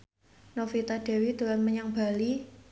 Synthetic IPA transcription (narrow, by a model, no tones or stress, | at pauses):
nofit̪aɖ̥ɛ̤wid̪̥ulanməɲaŋba̤li